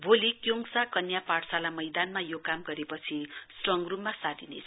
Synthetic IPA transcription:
bʱolikjoŋsakʌnjapaɽsalamʌjd̪anmajokamɡʌɾepʌt͡sʰisʈrʌŋɡrumːasad̪inḛt͡sʰ

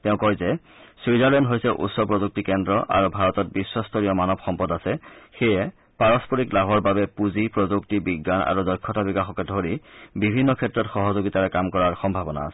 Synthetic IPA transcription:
tɛʊ̃kɔɹzɛ | swizaɹlɛndɦojsɛʔṵtsɔpɹɔzuk̚tikɛndɹɔʔa̰ɹubʱaɹɔtɔt̚bisːɔstɔɹijɔmanɔbxɔmpɔdasɛxɛjɛ | paɹɔspɔɹiklabʱɔɹbabɛpuzipɹɔzuktibiɡːana̰ɹuzɔjkʰːɔtabikaxɔkɛdʱoɹibibʱinːɔkʰɛtɹɔtxɔɦɔzoɡitaɹɛkamkɔɹaɹxɔmbʱabɔna̰ːsɛ̥

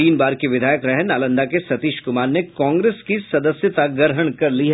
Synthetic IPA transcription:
iːnbaːɾkiʋɪd̪ʱaːjəkɾɛɦnaːlə̃nd̪akesɐt̪iːʃkʊmaːɾnekãːŋɡɾeːskisɐd̪əsjət̪aɡəɾɦəɽ̃kɐɾliɦ

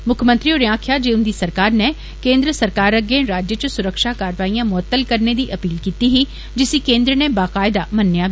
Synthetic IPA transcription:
mʊkʰmə̃nt̪ɾioːɾãːkʰjaːd͡ʒeːʊnd̪iːsəɾkaːɾne | kẽːnd̪ɾəsəɾkaːɾəɡẽɾaːd͡ʒjət͡ʃəsʊɾəkʃaːkaːɾʋaːijãːmʊət̪ːəlkəɾned̪iːʔəpiːlkiːt̪iɦiː | d͡ʒɪsiːkẽːnd̪ɾənebaːqaːɪd̪aːmənːjaː

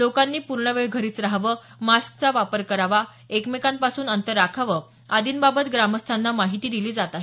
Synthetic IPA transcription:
lokanːiːpuɾɳəʋeɭɡʱəɾiːt͡sɾaɦʋə | mask̚t͡saʋapəɾkəɾaʋa | ekmekanpasuːnənt̪əɾːakʰaʋə | ad̪ʱiːnbabət̪ɡɾaməst̪ʰanːamaɦit̪iːd̪iliːd͡zat̪aɦi

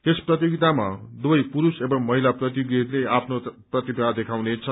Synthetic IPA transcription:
esprʌt̪̬joɡit̪ama̰d̪uʌjpuɾusebʌmːʌɦilaprʌt̪jiɡileapʰnoprʌt̪ibad̪ekʰawnet͡sʰʌ

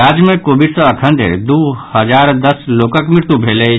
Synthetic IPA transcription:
aːd͡ʒmẽkoːbɪɖsəɐkʰə̃nd̪ḛɾd̪uhəd͡ʒaːɾd̪əsloːkəkmɪɾt̪ubʱeːle

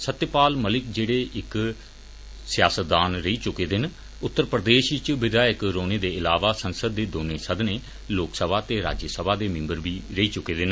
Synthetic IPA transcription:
sət̪jəpaːlməlɪkd͡ʒeːɽeːʔɪk | sɪjaːsət̪̚d̪aːnɾəiːt͡ʃʊkeːd̪ɪn | ʊt̪ːəɾpɾəd̪eːʃt͡ʃʋɪd̪aːjəkɾoːneːd̪eːɪlaːʋaːsənsəd̪ːeːd̪oːneːsəd̪neː | loːksəbʱaːt̪eːɾa̰ːd͡ʒjəsəbʱaːd̪eːmɪ̃mbəɾʋiːɾəiːt͡ʃʊkeːd̪ɪn

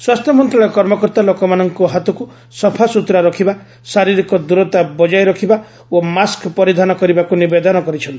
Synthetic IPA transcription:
swast̪ʰjɔmɔnt̪ɾɔɭɔjkɔɾmɔkɔɾt̪alokɔmanɔŋkuɦat̪ɔku | sɔpʰasut̪ɾaɾɔkʰiba | saɾiɾikɔd̪uɾɔt̪abɔd͡ʒajɾɔkʰiba | omaskpɔɾid̪ʱanɔkɔɾibakunibed̪ɔnɔkɔɾit͡ʃʰɔnt̪i̥

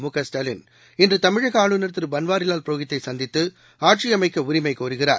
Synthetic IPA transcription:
mukɐsʈɐlɪn | ɪndrɯt̪ɐmɪɻɐɣɐaːɭɯnɐɾt̪ːɯɾɯbɐnʋaːɾɪlaːlpɾoːɣɪt̪ːɐɪsɐnd̪ɪt̪ːɯ | aːʈt͡ʃijɐmɐɪkːɐʊɾɪmɐɪkoːɾɯɣɪra̰ːɾ

